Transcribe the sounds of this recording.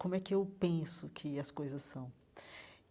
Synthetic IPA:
kõmʊɛkɪewpẽsʊkʰɪɐskojzɐsːɐ̃w̃

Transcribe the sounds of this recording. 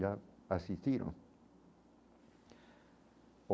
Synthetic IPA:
aasist̪jiɾõ̰ŋ | o

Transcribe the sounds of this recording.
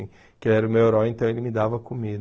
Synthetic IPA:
ĩ | kewɛɾʊmeweɾɔẽnt̪ɐ̃w̃elɪmɪd̪avɐkomid̪

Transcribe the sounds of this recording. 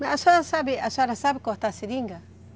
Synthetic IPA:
mẽʔasuaɾasabiasaɾasabikot̪asiɾiŋɡa

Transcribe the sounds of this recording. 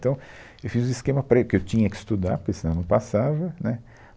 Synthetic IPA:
t̪ɐ̃w̃ | ewfizũiskẽmɐpɾekɪewt͡ʃĩɲɐkɪ̥st̪ud̪a̰ɾpesiñnɐ̃w̃pasavɐnɛ

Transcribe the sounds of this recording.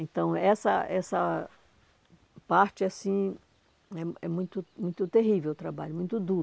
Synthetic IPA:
ẽt̪ɐ̃w̃ɛsɐ̰ɛsɐ | paɾt͡ʃɪasĩ | ɛɛmũj̃t̪ʊmũj̃t̪ʊt̪eɦivewt̪ɾabaʎʊmũj̃t̪ʊd̪uɾ

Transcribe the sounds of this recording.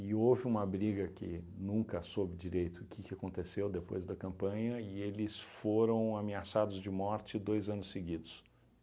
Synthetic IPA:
ɪovɪũmɐbɾiɡɐkɪ̰nũkɐsobɪd͡ʒiɾejt̪ʊkɪkɪakõnt̪esewd̪epo̰jzd̪ɐkɐ̃mpɐ̃ɲɐɪelɪsfoɾɐ̃w̃ameasad̪ʊzd͡ʒɪmɔɾt͡ʃɪd̪ojzɐ̃nʊsseɡid̪ʊs

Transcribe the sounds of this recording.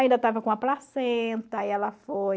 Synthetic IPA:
aĩd̪ɐt̪avɐkõɐplasẽt̪ɐiɛlɐfoj

